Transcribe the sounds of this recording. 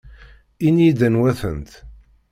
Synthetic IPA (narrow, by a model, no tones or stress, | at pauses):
inid̪ənwæθə̰nt̪